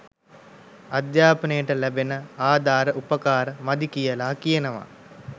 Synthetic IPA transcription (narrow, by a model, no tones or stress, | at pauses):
ad̪jaːpənəjəʈəlæbenəaːd̪ʱaːɾəʔupəkaːɾəmad̪ikijəlaːkijənəʋa̰